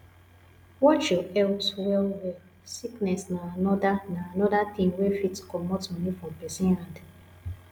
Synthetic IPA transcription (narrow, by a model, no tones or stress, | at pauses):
wɔt͡ʃjɔɛlswɛlwɛ | siknɛsnaanɔdanaanɔdat̪ĩŋwefitkɔmɔtɔ̃mĩfɹɔ̃mpɛsĩnɾãnd